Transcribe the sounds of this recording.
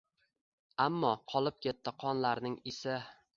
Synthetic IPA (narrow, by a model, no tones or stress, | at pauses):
amːɒqʰɒlˠɪp̚kʲʰe̞t̪ːɪqʰɒnlaɾnɪŋɪsɪ